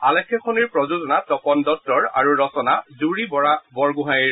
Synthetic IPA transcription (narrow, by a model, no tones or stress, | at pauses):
alɛkʰːɛkʰɔniɹpɹɔzuzɔnatɔkɔndɔtɔɹa̰ɹuɹɔsɔnazuɹibɔɹabɔɹɡuɦajiɹ